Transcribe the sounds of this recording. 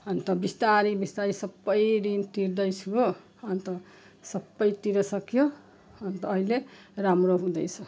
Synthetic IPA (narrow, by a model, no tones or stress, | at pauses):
ʌnt̪ʌbist̪aɾibist̪aɾisʌbːʌjd̪int̪iɾd̪ʌjt͡sʰuo | ʌnt̪ʌ | sʌbːʌjt̪iɾʌsʌkjo | ʌnt̪ʌːɦile | ramroɦũd̪ʌjt͡sʰʌ